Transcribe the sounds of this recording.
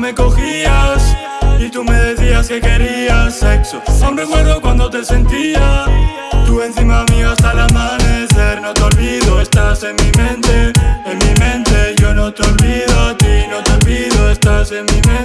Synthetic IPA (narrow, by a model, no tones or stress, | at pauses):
me̞ko̞xias | it̪ume̞ðe̞θiaske̞ke̞ɾiiasːe̞ksoownrekwe̞ɾðokwand̪ot̪e̞se̞nt̪ia | t̪ue̞nθimamiβast̪alamaneseɾnot̪eolβiðoest̪ase̞nmimẽnt̪eːnmĩmẽ̞nt̪e̞ʝonot̪eo̞lβiðoat̪inot̪eolβiðoest̪ase̞nmĩmẽ